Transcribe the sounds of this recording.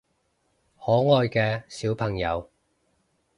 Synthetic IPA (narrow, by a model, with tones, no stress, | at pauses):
hɔː˨˥ŋɔː˧jkɛː˧siː˨˥wpʰɐ˨˩ŋjɐ̰˨˧w